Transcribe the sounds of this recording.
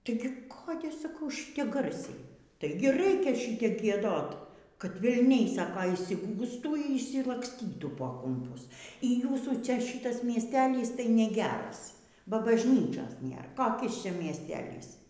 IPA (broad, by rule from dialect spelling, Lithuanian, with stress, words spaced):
ˈtɐɪɡʲɪ ˈkoːdʲɛ sɐˈkɐʊ ˈʃʲiːtʲɛ ˈɡɐrʲsʲɛɪ ˈtɐɪɡʲɪ ˈrɐɪkʲɛ ˈʃʲɪtʲɛp ɡʲiɛˈdoːt kɐt ʋʲɛlʲˈnʲɛɪ ˈsɑːkoː ɪʃʲsʲɪˈɡuːstuː iː ɪʃʲsʲɪlˠɐksʲˈtʲiːtuː poː kʊmˈpʊs iː ˈjuːsuː ˈt͡ʃʲɛ ˈʃʲɪtɐs mʲiɛsʲˈtʲæːlʲiːs tɐɪ nʲɛˈɡʲæːrɐs bɐ bɐʒʲˈnʲiːt͡ʃʲoːs ˈnʲeːr koːˈkʲɪs ˈt͡ʃʲɛ mʲiɛsʲˈtʲæːlʲiːs